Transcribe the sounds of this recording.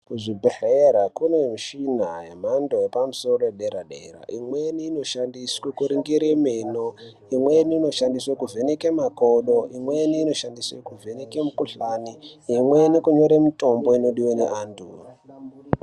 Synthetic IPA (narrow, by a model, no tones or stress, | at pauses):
kuʐibʱereɾakunemiʃinajem̤andojepamuso̞ɾojɗeɾaɗḛra̰ʔimweniːno̞ʃandiswekuɾiŋɡiɾemeno | imweniːno̞ʃandiswakuve̞nekemakoɗoimweniːno̞ʃandiswekuve̞nekemukuɬaniimwenikuɲo̞ɾemito̞mbo̞ino̞ɗiwanḛʔaːntʰu